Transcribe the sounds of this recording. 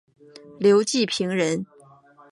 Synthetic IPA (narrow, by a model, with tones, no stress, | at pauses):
ljo˧˥ʊt͡ɕi˥˩pʰi˧˥ŋɻə˧˥n